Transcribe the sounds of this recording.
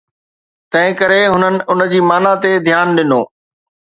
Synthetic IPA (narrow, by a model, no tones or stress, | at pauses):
t̪ɐ̃ɦɪ̃kɐɾeɦʊnənɪ̆ʊnəd͡ʑiːmaːnat̪ed̪ʱjaːnɗɪnoː